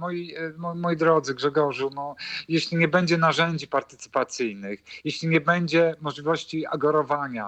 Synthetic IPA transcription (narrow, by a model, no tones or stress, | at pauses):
mɔjimɔmɔjid̪ɾɔd̪zɘɡʐɛɡɔʐunɔjeɕlʲiɲɛbɛɲd͡ʑɛnaʐɛɲd͡ʑipaɾt̪ɘ̥t̪sɘ̥pat̪sɘjnɘxjeɕlʲiɲɛbɛɲd͡ʑɛmɔʐlʲivɔɕt͡ɕia̰ɡɔɾɔvaɲa